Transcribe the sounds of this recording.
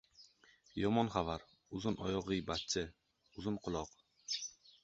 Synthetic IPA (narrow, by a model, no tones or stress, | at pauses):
jɒmɒnχavaɾ | ʊzʊnɒjɒʁɨjbat̪t͡ʃʰɪ | ʊzʊnqʰʊlˠɒq